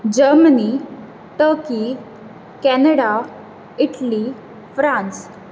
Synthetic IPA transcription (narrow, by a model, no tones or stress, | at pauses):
d͡ʑəɾməni | ʈəɾki | kɛnəɽa | iʈli | fɾãnt͡s